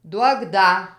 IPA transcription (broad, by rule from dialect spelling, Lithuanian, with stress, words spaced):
ˈduɔk ˈdɐ